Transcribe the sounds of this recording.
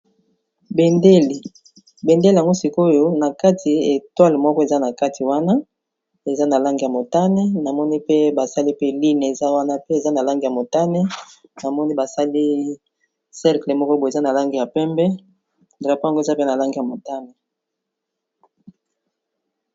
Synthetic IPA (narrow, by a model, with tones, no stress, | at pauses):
be˨nde˦li˨ | be˨nde˦li˨a˨ŋɡo˦si˨ko˦jo˦na˨ka˦tʰi˨e˨twa˦lmɔ˦kɔ˦e˨za˦na˨ka˦tʰi˨wa˦na˦ | e˨za˦na˨la˦ŋɡi˨ja˨mo˨ta˦nɛ˦na˨mɔ˦ni˦pe˦ba˨sa˦li˦pe˦li˦n˨e˨za˦wa˦na˦pe˦e˨za˦na˨la˦ŋɡi˨ja˨mo˨ta˦nɛ˦ | na˨mɔ˦ni˦ba˨sa˦li˦ | sɛ˦ʁkle˨mɔ˦kɔ˦bo˨e˨za˦na˨la˦ŋɡi˨ja˨pɛ˦mbɛ˦ | dʁa˨pa˦a˨ŋɡo˦e˨za˦pe˦na˨la˦ŋɡi˨ja˨mo˨ta˦ne˨